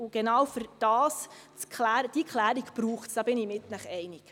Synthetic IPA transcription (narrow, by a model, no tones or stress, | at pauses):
ʊɡ̥enɑwfyɾd̥ɑːst͡skχlæːɾəd̥iəkχlæːɾiɡpɾuːχtsd̥ɑbɪnimɪtnæχɛjnik